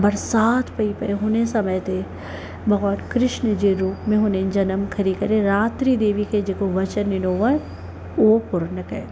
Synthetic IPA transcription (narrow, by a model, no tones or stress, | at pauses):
bɐɾsaːt̪ʰpɐipɐeɦonesɐməjt̪ʰe | bɐɡaːnkɾɪʃnəd͡ʒeɾuːpmẽɦonẽd͡ʒɐnəmkʰɐɾikɐɾẽɾaːt̪ɾid̪eːʋiked͡ʒekoʋɐt͡ʃənːɪnoːʋa | opʊɾnəkḛ